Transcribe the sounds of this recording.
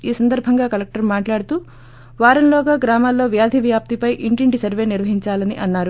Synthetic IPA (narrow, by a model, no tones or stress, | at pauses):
iːsɐnd̪ɐɾbʱɐŋɡaːkɐlek̚ʈɐɾmaːʈlaːɽut̪uː | ʋaːɾɐnloːɡaːɡɾaːmaːlːo̞ːʋjaːd̪ʱiʋjaːp̚t̪ipɐjʔiɳʈiɳʈisɐɾʋe̞ːniɾʋɐɦiɲt͡ʃaːlɐnḭʔɐnːaːɾu